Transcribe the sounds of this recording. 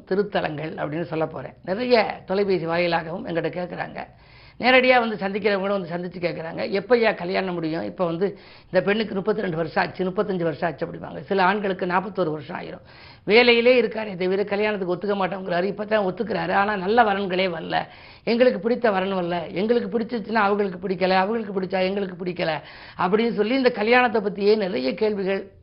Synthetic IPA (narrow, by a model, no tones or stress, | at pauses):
t̪ɪɾɯt̪ːɐlɐ̰ŋɡɐɭɐ̰pːɐɽɪnːɯsɔlːɐpːo̰ːɾḛ̃ːnɪɾɐjɐt̪ɔlɐɪpeːsiʋaːjjɪlaːɣɐʋɯmɛ̰ŋɡɐɽɯkːeːʈkːɐɾa̰ːŋɡɐ̰ | neːɾɐɽɪjaːʋɐnd̪ɯsɐnd̪ɪkːɪɾɐʋɐɡɐɭ̃ʋɐnd̪ɯsɐnd̪ɪt͡ʃːɯkeːʈ̚kːɪɾaːŋɡɐ̰ʔɛpːɐjaːkɐljaːnɐmʊɽɪjʊ̃ɪ̰pːoːʋɐnd̪ɯ | ɪnd̪ɐpɛɳːɯkːɯnʊpːɐt̪ːɪɾɛɳɖɯʋɐɾɯʂɐ̃ɐt͡ʃːɯnʊpːɐt̪ːɐɲd͡ʒɯʋɐɾɯʂɐ̃ɐt͡ʃːɯɐpːɐɽɪnʋa̰ːŋɡɐsɪlɐaːɳɡɐɭɯkːɯnaːpːɐt̪ːoːɾɯʋɐɾɯʂɐ̃a̰ːjɪ̰ɾʊ̰̃ | ʋeːlɐjɪleːɪɾɯkːaːɾt̪ɐʋɪɾɐkɐljaːɳɐt̪̬ːɯkːɯɔt̪ːɯkːɐmaːʈːɐʋɐŋɡɪɾaːɾɯɪpːɐt̪ːãːɔt̪ːɯkːɪɾaːɾɯaːnaːnɐlːɐʋɐɾɐnɡɐɭeːʋɐɾɐlɐ̰ | ɛŋɡɐɭɯkːɯpɪɽɪt̪ːɐʋɐɾɐɳɯ̃ʋɐɾlɐɛŋɡɐɭɯk̬ːɯpɪɽɪt͡ʃːɯt͡ʃːɯnːaːɐʋɐŋɣɡɐɭɯk̬ːɯpɪɽɪkːɐlɐɐʋɐŋɣɐɭɯkːɯpɪɽɪt͡ʃːaːɛŋɡɐɭɯk̬ːɯpɪɽɪkːɐlɐ | ɐp̬ːɐɽɪnːɯs̬ɔlːiɪnd̪ɐkɐljaːɳɐt̪ːɐp̬ːɐt̪ːijeːnɪɾɐjɐkeːɭʋɪɣɐɭ